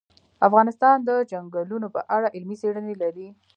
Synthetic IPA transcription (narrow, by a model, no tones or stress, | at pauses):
afɣɑnɪst̪ɑnd̪əd͡ʒaŋɡalunopə̰ʔaɽaʔɪlmiseɽənelaɾi